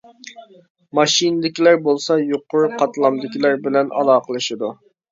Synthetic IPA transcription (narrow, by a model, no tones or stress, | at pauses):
mɑʃind̪ɪkʲilæɾbolˠsɑjoqʰːʊɾqʰɑt̪lˠɑmd̪ɪkʲʰilæɾbɪlɛnʔɑ̰lˠɑːqʰəlˠɨʃid̪u